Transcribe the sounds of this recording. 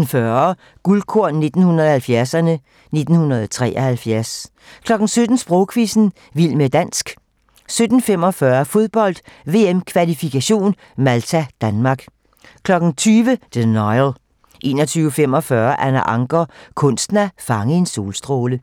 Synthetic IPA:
n̩fɶɐ | ɡ̥ulkʰo̝ɐ̰ne̝d̥n̩hunɐðˠhælfjæɐsɐnə | ne̝d̥n̩hunɐðˠɒt͡sʰʁɛ̰ːʔɒhælfjæɐs | kʰlɒ̽ɡ̥n̩sød̥n̩sb̥ʁɔʊkʰʋisn̩ | ʋil̰med̥æn̰sɡ̥ | sød̥n̩fem̰ɒ̽fɶːɐfo̝ðˠb̥ɒ̽l̰d̥ʋe̝emkʰʋælifikʰæɕo̝̰ːn | mælt͡sʰæd̥ænmɑ̈ːɡ̥ | kʰlɒ̽ɡ̥n̩t͡sʰyːʋəd̥enɒɪl | ʔe̝̰ːnɒt͡sʰyːʊəfem̰ɒ̽fɶːɐʔænæʔɑ̈ŋɡ̥ɒkʰɔ̽nsd̥næfɑ̈ŋəe̝nso̝̰ːlsd̥ʁoːlə

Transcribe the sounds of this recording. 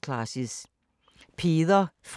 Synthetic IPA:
kʰlɑsis | pʰeːðɐf

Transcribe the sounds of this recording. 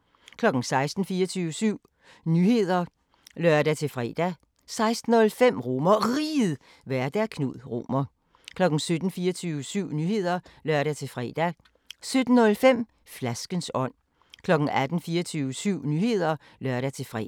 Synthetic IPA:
kʰlɒ̽ɡ̥n̩sɑ̈ɪsd̥n̩fiːɐt͡sʰyːʊəsyʊ̰ | nyhe̝ð̞̰ˠɐ | lɶɐd̥æt͡sʰe̝fʁɛ̰d̥æ | sɑ̈ɪsd̥n̩ɔlfem̰ʁo̝mɐʁiːð̩ˠ | ʋæɐd̥æɐkʰnuð̰ˠʁo̝̰mɐ | kʰlɒ̽ɡ̥n̩sød̥n̩fiːɐt͡sʰyʊəsyʊ̰nyːhe̝ð̞̰ˠɐlɶɐ̰ɾ̥æt͡sʰe̝fʁɛ̰ːd̥æ | sød̥n̩ɔlfem̰ | flæsɡ̥ənsɒ̽n̰ | kʰlɒ̽ɡ̥n̩æd̥n̩fiːɐt͡sʰyːʊəsyʊ̰nyhe̝ð̞̰ˠɐ | lɶɐɾ̥æt͡sʰe̝fʁɛ̰

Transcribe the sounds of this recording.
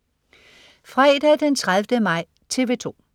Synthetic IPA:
fʁɛːd̥æd̥ent͡sʰʁaðˠʋd̥əmɑ̈ɪ̰ | t͡sʰe̝ʋe̝t͡sʰo̝̰ː

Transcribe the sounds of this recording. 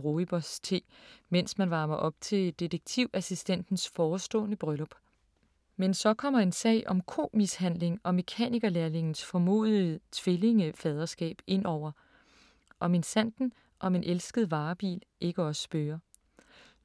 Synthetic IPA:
ʁo̝ːib̥ɒst͡sʰe̝̰men̰smænʋɑ̈ːmɐʔɒ̽b̥̚t͡sʰe̝ld̥id̥əɡ̥̚t͡sʰiʊ̰ʔæsisd̥en̰d̥n̩sfɒːsd̥ɔ̰ːnəb̥ʁœlɒb̥ | mensɒ̽kʰɒ̽m̰ɐe̝nsɛ̰ɪʔɒ̽mkʰo̝̰ːmishæn̰le̝ŋɒ̽me̝kʰɛ̰niɡ̥ɐlæɐle̝ŋn̩sfɒ̽mo̝̰ːð̞ˠit͡sʰʋele̝ŋəfɛð̞ˠɐsɡ̥ɛ̰ːb̥e̝n̰ɒʊ̰ɐ | ʔɒ̽me̝nsæn̰d̥n̩ | ʔɒ̽me̝nʔelsɡ̥əð̩ˠʋɑ̈ːb̥ḭːlʔe̝ɡ̥əɒ̽sə̥sb̥øːɐ

